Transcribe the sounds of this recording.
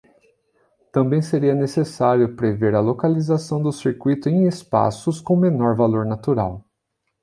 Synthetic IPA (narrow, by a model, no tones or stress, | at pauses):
t̪ɐ̃mbẽj̃seɾiɐnesesaɾjʊpɾeveɾɐlokalizasɐ̃w̃d̪ʊsiɾkwit̪ʊẽj̃espa̰sʊskõw̃menɔɾvaloɾnat̪uɾa̰w